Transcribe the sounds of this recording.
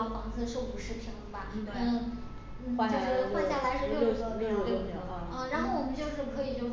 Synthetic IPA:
fɑ˧˥ŋt͡sʰɤ˥˧ʂo˥˩ʊu˧˩ʂɻ̩˥˩pʰi˧˥ŋba˧˥˩ | n̩˥˩wa˥˧t͡ɕjʂ̩˥˩˥wa˥˧ɕja˥˩lʰa˧˥ɪʂɻ̩˥˧lo˥˧˥ɻa˧˥nxo˥˩ʊwɔ˨˩mə˦nt͡ɕjo˥˧ʊʂɻ̩˥˩kʰɤ˧˥i˨˩t͡ɕo˥˧˩

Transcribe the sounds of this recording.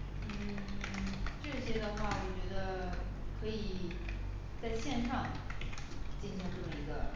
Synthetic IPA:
n̩˥˩˥ | ʈ͡ʂɤ˥˩ɕjɛ˥d̪ə˧xwa˥˩wɔ˨˩t͡ɕɥɛ˧˥d̪ə˧kʰɤ˧˥i˨ | t͡sa˥˧ɪɕjɛ˥˧nʈ͡ʂʰɑ˥˧ŋ | t͡ɕi˥˩nɕi˧˥ŋʈ͡ʂɤ˥˩mə˩i˧˥ɡə˧

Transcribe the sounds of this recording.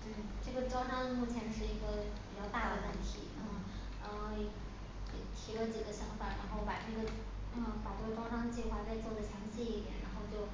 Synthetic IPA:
t̪we˥˩ʈ͡ʂɤ˥˩ɡə˩ʈ͡ʂɑ˥ʊʈ͡ʂɑ˥ŋmu˥˩t͡ɕʰjɛ˧˥nʂɻ̩˥˩i˧˥ɡə˧pi˨˩t͡ɕjɑ˥˧ʊt̪a˥˩d̪ə˩wə˥˩nt̪ʰḭ˧˩˥ | ə˥˧˨ | t̪ʰi˧˥lə˧t͡ɕi˨˩ɡə˦ɕjɑ˧˥ŋfa˨˩ɻa˧˥nxo˥˩ʊpa˨˩ʈ͡ʂɤ˥˩ɡə˩ | ə˥˧˩pa˨˩ʈ͡ʂɤ˥˩ɡə˩ʈ͡ʂɑ˥ʊʈ͡ʂɑ˥ŋt͡ɕi˥˩xwa˧˥t͡sa˥˧ɪt͡swɔ˥˩ʊd̪ə˩ɕjɑ˧˥ŋɕi˥˧i˥˩t̪jɛ̰˨˩˦nɻa˧˥nxo˥˧ʊt͡ɕjo˥˩ʊ

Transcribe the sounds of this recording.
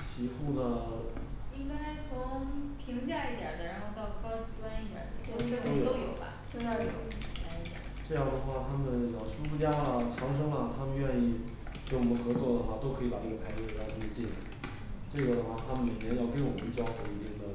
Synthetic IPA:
t͡ɕʰi˧˥xu˥˩nə˩ | i˥ka˥ʂwɔ˥n˧˥ŋ˥pʰi˧˥ŋt͡ɕja˥˧i˥˩jɐ̰˨˩d̪ə˦ɻa˧˥nxo˥˧ʊt̪ɑ˥˩ʊkʰɑ˥ʊ˥wa˥ni˥˩t̪jɐ̰˨˩d̪ə̰˧˥o˥˧˥o˥ʊj̪o˥ʊjo˨˩ʊbɐ̰˦t͡ɕo˥˩a˥˧o˥˩jo˥˩˥pʰi˧˥ŋt͡ɕa˥˩i˥˩jə̰˨˩ʈ͡ʂɤ˥˧jɑ˥˩ŋd̪ə˩xwa˥˩t̪ʰa˥mə˨njɑ˨˥˩ʊʂu˥ʂu˥˩t͡ɕja˥lə˩t͡ɕʰjɑ˧˥ŋʂ̬ɤ˥ŋlə˨t̪ʰa˥mə˨nɥɛ˥˧ni˥˩ | ke˧˥wɔ˨˩mə˦nxɤ˧˥t͡swɔ˥˩d̪ə˩xwa˥˩t̪o˥ʊkʰɤ˧˥i˧˥pa˨˩nɤ˥˩ɡə˩pʰa˧˥ɪt̪j̪ʰə˥t͡ɕi˥˩n̰˥˩ | ʈ͡ʂɤ˥˩ɡə˩ə˩xwa˥˩t̪ʰa˥mə˨nli˨˩mjɛ˥njɑ˥˩ʊkə˥nwɔ˨˩mə˦nt͡ɕjɑ˥ʊxo˨˩i˧˥t̪i˥˩ŋd̪ə˩

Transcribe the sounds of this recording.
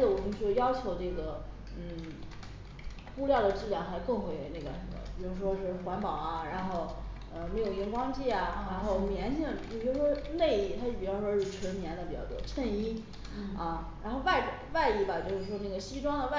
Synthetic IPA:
ə˩wɔ˨˩mə˦nt͡ɕjɑ˥ʊt͡ɕʰjo˧˥ʊʈ͡ʂɤ˥˩ɡə˩ | n̩˥˩ | xu˥ljɑ˥˩ʊd̪ə˩ʈ͡ʂɻ̩˥˧ljɑ˥˩ŋxa˧˥ɪkɤ˥˩ŋxwe˧˩ɪwḛ˧˥ɪna˥˩ɡə̰˩ʂə˧˥nmə̰˩pi˨˩ɻu˥ʂ̬wɔ˥ʂɻ̩˥˩xwa˧˥npɑ˨˩ʊɐ˦ɻa˧˥nxo˥˩ʊ | ə˧me˧˥jo˨˩ʊi˥˧˩kwɑ˥ŋt͡ɕi˥˩ɐ˩ɻa˧˥nxo˥˩ʊmjɛ˧˥nt͡ɕʰi˥˩˨i˧˥˩pi˧˩ɻu˥˩ʂwɔ˥le˥˧ɪ˥˩t̪ʰa˥˩pi˨˩ɑ˥ʂwɔ˥ʂɻ̩˥˩ʈ͡ʂʰwə˧˥nnjɛ˧˥nd̪ə˨pi˨˩t͡ɕjɑ̰˥˩t̪ɔ̰˥˩ʈ͡ʂʰə˥˩ni˥ | ɐ˥˧ɻa˧˥nxo˥˧ʊwa˥˩ɪ˥˩wa˥˧ɪi˥˩bɐ˨˩t͡ɕjo˥˧ʊʂɻ̩˥˩ʂwɔ˥na˥˩ɡə˩ɕi˥ʈ͡ʂwɑ˥ŋd̪ə˨wa˥˩

